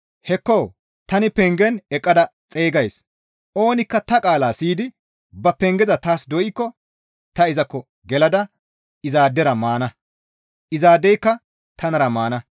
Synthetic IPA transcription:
hɛkːɔw | t̪ɐnɪpɛŋɡɛnɛkʼːɐd̪ɐt͡sʼeːɡɐjs | ʔo̞ːnɪkːɐt̪ɐkʼaːlaːsiːd̪ɪ | bɐpɛŋɡɛzɐt̪aːsd̪ɔʔɪkːɔ | t̪ɐɪzɐkːɔ | ɡɛlɐd̪ɐ | ɪzaːd̪ːɛɾɐmaːnɐ | ʔɪzaːd̪ːɛjkːɐ | t̪ʰɐnɐɾɐmaːnɐ

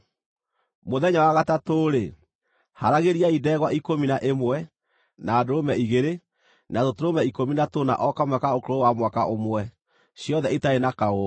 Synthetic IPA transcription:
moðɛɲawaɣatatoːɾe | haɾaɣeɾiaidɛːɣwaʔikominaʔemwɛ | naːdoɾomɛiɣeɾe | natotoɾomɛikominatona̰ʔɔkamwɛkaokoɾowamwakaʔomwɛ | ɕjɔðɛitaenakao

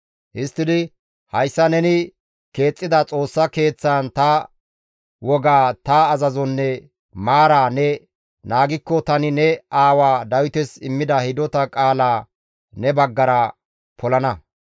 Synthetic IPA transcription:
hɪst̪ːɪd̪ɪ | hɐjsːɐnɛnɪ | ke̞ːt͡sʼːɪd̪ɐt͡sʼo̞ːsːɐke̞ːt͡sːaːnt̪ɐ | wɔɡaːt̪ɐːzɐzɔnːɛ | maːɾaːnɛ | naːɡɪkːɔt̪ɐnɪnɛaːwaːd̪ɐwɪt̪ɛsɪmːɪd̪ɐhɪd̪ɔt̪ɐkʼaːlaː | nɛbɐɡːɐɾɐ | pʰɔlɐnɐ

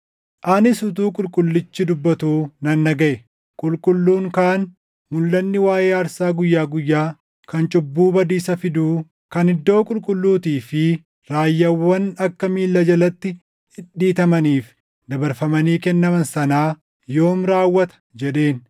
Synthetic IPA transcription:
ʔaːnɪsʊt̪̬uːkʼʊlkʼʊlːɪt͡ʃːɪd̪ʊbːɐt̪uːnɐnːɐɡɐʔɛ | kʼʊlkʼʊlːuːŋkaːn | mʊlːɐnːɪwaːʔeːɐɾsaːɡʊjːaːɡʊjːaː | kɐnt͡ʃʼʊbːuːbɐd̪iːsɐfɪd̪uː | kɐnɪd̪ːo̞ːkʼʊlkʼʊlːuːt̪iːfɪ | ɾaːjːɐwːɐnɐkːɐmiːlːɐd͡ʒɐlɐt̪ːɪ | ɪɗiːt̪ɐmɐniːf | d̪ɐbɐɾfɐmɐniːkɛnːɐmɐnsɐnaː | jo̞ːmɾaːwːɐt̪ɐ̥d͡ʒɛᶑe̞ːn

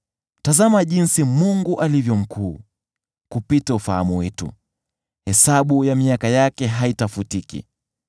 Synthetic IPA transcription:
tazamaʄinsimuŋɡuʔalivjɔm̩kʰuː | kupitaufaha̰muwɛtṵ | hɛsaɓujamiakajakɛɦaitafutikḭ

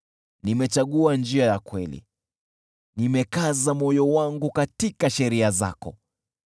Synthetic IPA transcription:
nimɛt͡ʃaɠuand͡ʒiajakwɛlḭ | nimɛkazamɔjɔwaŋɡukatikaʃɛɾiaza̰kɔ̰

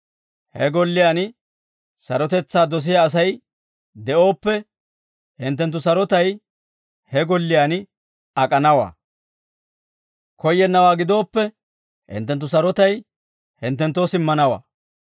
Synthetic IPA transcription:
hɛɡɔlːɪjaːn | sɐɾɔt̪ɛt͡sːaːd̪ɔs̬ɪjaːs̬ɐj | d̪ɛʔo̞ːpːɛ | hɪnt̪̬ːɛnt̪ːʊsɐɾɔt̪ɐj | hɛɡɔlːɪjaːn | ɐkʼɐnɐwa̰ː | kʰɔjːɛnːɐwaːɡɪd̪o̞ːpːɛ | hɪ̰nt̪ːɛnt̪ːʊs̬ɐɾɔt̪ɐj | hɪnt̪ːɛnt̪ːoːsɪmːɐnɐwa̰ː

